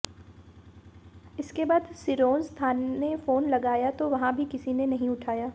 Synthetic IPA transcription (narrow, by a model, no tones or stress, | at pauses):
ɪskebaːd̪sɪɾoːnst̪ʰaːnefoːnlɐɡaːjat̪oʋɐɦãbʱikɪsinenɐɦĩʊʈʰaːjaː